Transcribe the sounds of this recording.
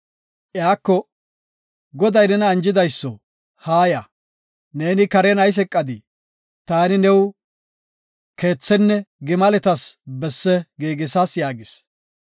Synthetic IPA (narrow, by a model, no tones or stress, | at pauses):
ʔjaːkːɔ | ɡɔd̪ɐjnɛnɐːnd͡ʒɪd̪ɐjsːɔ | haːjɐ | ne̞ːnɪkɐɾɛnɐjs̬ɛkʼːɐd̪ɪ | t̪aːnɪnɛw | ke̞ːt͡sːɛnːɛɡɪmɐlɛt̪ɐsbɛsːɛɡiːɡɪsɐsjaːɡɪs